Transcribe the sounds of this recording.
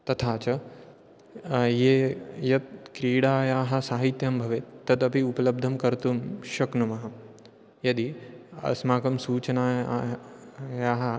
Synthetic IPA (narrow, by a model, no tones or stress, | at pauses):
t̪ɐt̪ʰaːt͡ʃɐ | jeːjɐt̪̚kɾiːɽaːjaːɦɐ̆saːɦit̪jɐmbʱɐʋet̪ːɐd̪ɐpiupɐlɐb̚d̪ʱɐmkɐɾt̪umʃɐknumɐɦɐ | jɐd̪iɐ̰smaːkɐmsuːt͡ʃɐnaː | jaːɦɐ̆